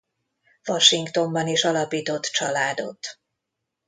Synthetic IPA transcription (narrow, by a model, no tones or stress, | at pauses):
vɒʃiŋkt̪o̞mbɒniʃɒlɒpiːt̪o̞t̪ːt͡ʃɒlaːd̪o̞̰t̪